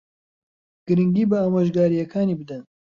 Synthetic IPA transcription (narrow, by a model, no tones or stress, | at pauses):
ɡ̥ɨɾɨŋɡiːbɨaːmoʒɡaːɾijɐkʰaːniːbɨd̪ɐn